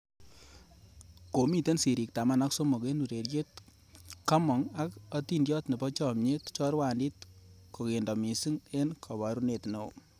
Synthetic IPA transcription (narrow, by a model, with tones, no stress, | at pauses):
ko˨mi˦˨te˦nsi˨ɾi˨k̚ta˨ma˦na˦kso˦mo˨ke˦nu˨ɾe˨ɾje˦t̚ | ka˦mɔ˨ŋa˦kɐ˦tindjɔ˦tne˨bɔ˦t͡ʃɔ˨mɲe˦tt͡ʃɔ˦ɾwa˨ndi˦t̚ko˨ke˨ndɔ˨mi˨si˦ŋe˦nkʰɔ˨βa˨ɾu˦ne˨tno̰˨